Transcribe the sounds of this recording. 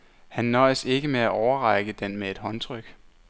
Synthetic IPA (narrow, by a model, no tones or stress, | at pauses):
hænːɒ̽ɪse̝ɡ̥əmeæʔɒʊɐʁɑ̈ɪɡ̥əd̥enmee̝d̥ɦɒ̽nt͡sʰʁœɡ̥